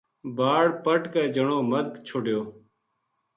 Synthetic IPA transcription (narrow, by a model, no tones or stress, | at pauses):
bʱaːɽpəʈkeːd͡ʒəɳoːməd̪kt͡ʃʰoɖjoː